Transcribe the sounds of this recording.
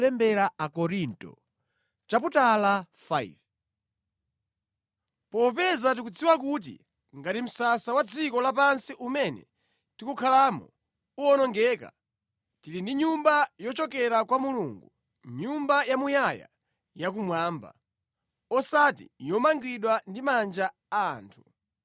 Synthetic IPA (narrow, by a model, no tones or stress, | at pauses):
lɛmbɛɾaakɔɾintɔ̰ | t͡ʃap̬utala | faḭv | pɔp̬ɛzat̬ikud͡ziwak̬ut̬ḭ | ŋɡatim̩sasawad͡zʰikɔlap̬ansiʔumɛnɛ̰ | tikukʰalaːmɔ̰ | uɔnɔŋɡɛːka̰ | tiɾindiɲumbajɔt͡ʃɔkɛɾakwamuluŋɡu | ɲumbajamujaja̰ | jak̬umwaːmba̰ | ɔsatḭjɔmaŋɡwiɗwandimand͡ʒaː | ntʰu̥